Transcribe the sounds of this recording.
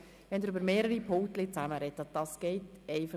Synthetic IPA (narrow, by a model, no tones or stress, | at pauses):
ʋɛnd̪ɪɾøbəɾmeːɾəɾipʰʊŋkt̪lɪt͡sæməɾɛt̪ːəd̥ɑsɡ̥ɛɪtɛɪfɑ